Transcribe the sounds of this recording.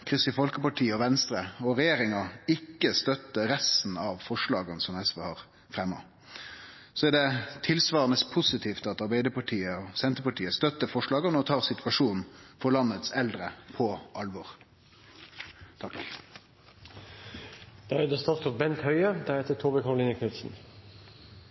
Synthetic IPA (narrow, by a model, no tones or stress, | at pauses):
kʰɪst̪ɪfɔlkəpɑʈʰiːəɔʋɛnst̪ɾəɔʁɛjeːɾɪŋɑɪkːəst̪œt̪ːəɾɛst̪n̩ɑʋfɔʂlɑ̰ːɡənsɔmɛsʋeːhɑːʁ | fɾɛmːɑ̰ | sɔɛd̪ɛt̪ʰɪlsʋɑːʁənəspʰʊsɪt̪ʰiːft̪ɑt̪ɑɾbæɪd̪əpɑʈʰiːəɔsɛnt̪əpɑʈʰiːəst̪œt̪ːəfɔʂɭɑːɡənəɔt̪ʰɑːʁsɪt̪ʋɑʂuːnn̩fɔlɑnːət̪sɛld̪ɾəpʰɔʔɑlʋɔʁ | t̪ʰɑ | d̪̥ɑɛd̪əst̪ɑt̪ɔt̪bɛnt̪hœʏəd̪æɾheːt̪ət̪ʰoːbəkʰɑɾʊliːnəkʰʉt̪sn̩